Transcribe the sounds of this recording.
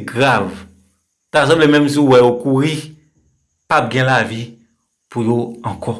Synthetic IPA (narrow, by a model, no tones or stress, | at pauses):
ɡʁav | t̪azɔ̃blɛmɛ̃ms̬ũwɛokuʁi | pab̚ɡɛ̃lavi | pujoãkɔ